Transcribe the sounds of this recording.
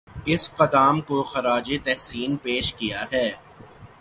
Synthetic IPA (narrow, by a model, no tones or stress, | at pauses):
ɪsqɐd̪aːmkoxɐɾaːd͡ʒet̪ɛɦsiːnpeːʃkijaɦɛː